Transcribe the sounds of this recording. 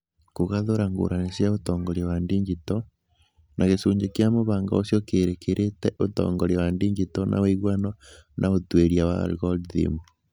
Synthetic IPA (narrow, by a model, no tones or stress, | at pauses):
koɣaðoɾaŋɡo̰ɾanesjaotɔːŋɡɔɾewandiɲɡitɔ | nʔaɣesuːɲd͡ʒekjamoβaːŋɡa̰osjɔkeɾekeɾʔetɛʔotɔ̰ːŋɡɔɾiwandiɲɡitɔnʔa̰weiɣwanɔnʔaotweɾjawa̰ɾɣɔdðḭmu